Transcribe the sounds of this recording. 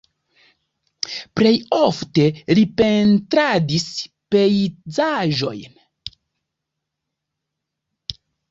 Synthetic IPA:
ple̞joftelipe̞ntɾadis | pe̞jzaʒo̞̰jn

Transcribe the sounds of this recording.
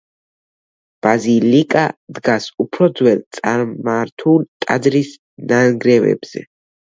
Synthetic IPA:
b̥azilikʼad̪ɡasupʰɾɔd̪zwɛlˠt̪sʼaɾmaɾt̪ʰult̪ʼad̪ɾis | naɡɾɛvɛ̰bz̥ɛ̰

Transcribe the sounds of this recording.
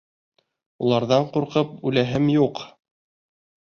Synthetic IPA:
ulˠɑɾðɑɴquɾqɤp̚ʉlæɦɘmjuq

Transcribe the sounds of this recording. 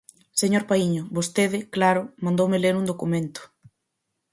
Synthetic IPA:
seɲoɾpaiɲʊβost̪eðɪklaɾʊmãnd̪owmelenund̪okumẽnt̪ʊ̥

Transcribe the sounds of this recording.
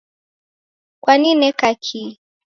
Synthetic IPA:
kwaninɛkakʰi

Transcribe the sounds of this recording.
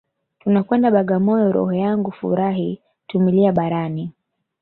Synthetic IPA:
tunakwɛndaɓaɠamɔjɔɾɔ̰hɔjaŋɡufṵɾaɦi | tumiliaɓaɾani

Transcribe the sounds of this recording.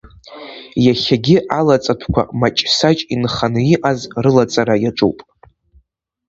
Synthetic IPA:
jaχʲaɡʲɪʔalat͡sʼatʷʰkʷa̰mat͡ʃʼsat͡ʃʼinχanɨiʔazrɨlat͡sʼaɾajaʈ͡ʂʼṵwpʼ

